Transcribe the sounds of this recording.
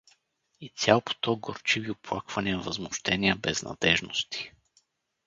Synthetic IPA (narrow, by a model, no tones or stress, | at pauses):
it̪sʲjalˠpo̥t̪ɔɡoɾt͡ʃiviʊplˠakvɐniəvɐzmʊʃt̪ɛniəbɛz̥nɐ̰d̪̥ɛʒnʊ̰st̪ʰi̥